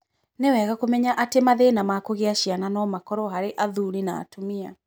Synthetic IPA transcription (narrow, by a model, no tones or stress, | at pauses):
newɛɣakomɛɲaʔatemaðenamakoɣeaɕiananɔmakɔɾɔɦaɾeʔaðuɾina̰ːtomia